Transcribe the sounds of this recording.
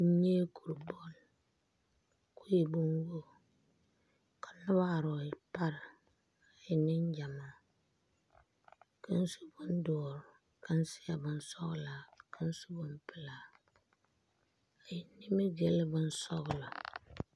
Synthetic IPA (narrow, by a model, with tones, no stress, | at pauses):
ɲe˦ku˨ɾbo˦l | ku˦je˨bu˦ŋɡo˦ | kʰa˨nʊ˦ba˦˨ɾɔ˨i˨pa˦ɾ | a˨ji˨ni˦ɲ˦d͡ʒa˨ma˨ | kə˦n˦su̥˦bu˦n˦dɔː˨ɾ | ka˦n˦sɪ˦a˨bɨ˦n˦sɔ˦ɣla˨kʰə˦n˦su̥˦bɨ˦mpɨ˨la˨ | a˨ji˨ni˦mi˦ɡe˨lbɨ˦n̩˦sɔ˦ɣlɔ˨